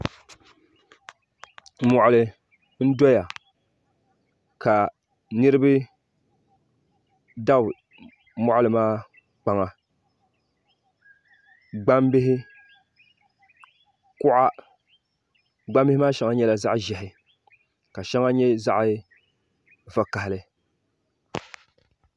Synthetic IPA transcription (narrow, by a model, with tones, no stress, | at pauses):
mɔ˨ʔʊ˨lɨ˨ | n̩˦dɔ˦ja˨ | ka˨ | nɨ˦ɾɨ˦bɨ˦ | da˦b | mɔ˦ʔa˦lɨ˨maː˦ | k͡pa˨ŋa˨ | ɡ͡ba˦mbɪ˦ɦɪ˦ | kʊ˦ʔa˦ | ɡ͡ba˦mbɪ˦hɪ˦maː˦ʃɛ˦ŋa˦ɲɛ˦la˨za˦ʔʒɛ˨ɦɪ˦ | ka˨ʃɛ˦ŋa˦ɲɛ˦za˦ʔɪ˦ | va˨ka˨hɪ˨lɨ˦